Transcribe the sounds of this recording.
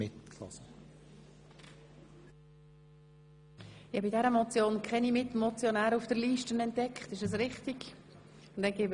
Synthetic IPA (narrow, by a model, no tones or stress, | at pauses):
ɪtkʰlɔ̰sə | jɑbidɛɾəmɔt͡sjoːnkʰɛnimɪtmɔt͡sjonæːɾufd̥əɾliːʃtənɛntdɛkχtɪʃɛs̬ɾɪχtiɡ | ʊnd̥ɛnɡeːb